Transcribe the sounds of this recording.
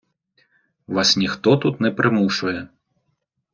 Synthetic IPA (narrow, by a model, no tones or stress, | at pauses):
ʋasnʲixt̪ɔt̪ut̪nɛpɾɪmuʂʊjɛ